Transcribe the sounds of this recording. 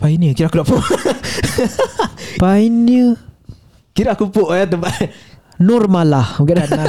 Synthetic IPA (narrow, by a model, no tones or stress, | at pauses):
painjəkiɾaʔakudaʔpoʔ | painə | kiɾakupoʔat̪əmpa | nurmalahɡadana